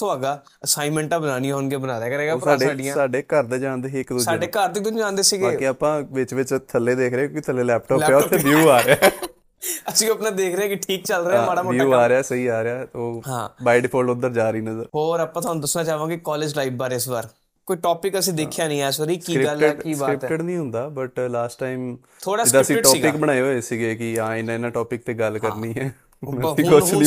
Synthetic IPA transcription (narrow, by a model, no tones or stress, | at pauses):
t̪ʰõaːɡaː | əsaːɪmɛ̃ːɳʈãːbənãːniãːɦʊnɡeːbənaːɾeːkəɾɛːɡaːɾsaːɖeəɖɪãsaːɖeːkəɾd̪eːd͡ʒãːnd̪eːɪkd̪ʊsaːɖeːkəɾd̪ɪt̪od͡ʒãːnd̪eːsiːɡeːkɪəːpãːʋɪt͡ʃʋɪt͡ʃt̪ʰəlːeːd̪eːkʰɾeãːkːkit̪ʰəlːeːlɛːpʈɔːlːɛt̪ʰebjuːaːɾeaː | əsiːəpnãːd̪eːkʰɾeːãːkɪʈʰiːk̚t͡ʃəlɾeːaːbaːɽaːmouːaːɾeaːsəiːaːɾeaːoːɦã̰ːbaːɪɖɪpʰoːlʊnd̪əɾd͡ʒaːɾiːnəzəɾhoːɾapːãːt̪ʰoaːnũd̪əsnãːt͡ʃaːʋãːɡikɔːleːd͡ʒlaiːbbaːɾɪsʋaːɾ | koːiʈɔːpɪkəsĩːd̪eːkʰːjaːnĩːɛːsəɾiːkiːɾɪɡəlkiːbaɾɪpɛʈəɽnĩːɦʊ̃nd̪aːbəʈlaːsʈaːɪm | t̪ʰoːɽaːd͡ʒɪd̪aːsĩːʈɔːpɪkbəɽ̃aːoːesiɡeːkɪaːɪnɪnãːʈɔːpɪk̚t̪eːɡəlkəɾniːɦɛː | mɛ̃ikʊt͡ʃʰnĩ